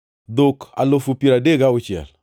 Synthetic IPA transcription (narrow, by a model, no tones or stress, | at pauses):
d̪oka̰lofupiɾadeɡaʊt͡ʃjɛ̰l